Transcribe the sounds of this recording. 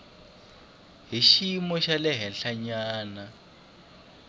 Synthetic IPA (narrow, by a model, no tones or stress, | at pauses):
ɦiʃimɔʃalɛɦɛnɬaɲaːna